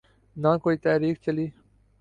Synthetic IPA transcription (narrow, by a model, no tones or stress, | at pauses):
nãːkoit̪aːɾiːkt͡ɕeli